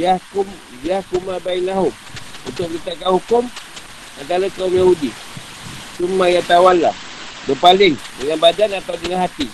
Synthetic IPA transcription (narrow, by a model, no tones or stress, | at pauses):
iahkʊm | jahkumabainaɦʊm̚ṵnt̪ʊʔ̚lit̪akanhukʊm | ant̪aɾakaumjahudi | t͡ʃumːajat̪awanla̰h | bəpalɪŋdəŋanbadanat̪awdəŋanɦat̪i